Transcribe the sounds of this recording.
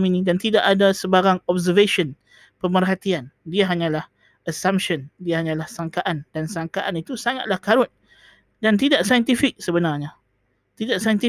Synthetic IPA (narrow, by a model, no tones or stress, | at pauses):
minĩdant̪idaʔadasəbaɾaŋɔbzəveʃən | pəmərɦat̪iandiaɦaɲãlah | asampʃəndiaɦaɲãlahsaŋkaʔandansaŋkaʔanit̪usaŋat̪̚lahkaɾʊt̪̚ | dant̪idaʔsajənt̪ifɪk̚səbənarɲa | t̪idaʔsajənt̪i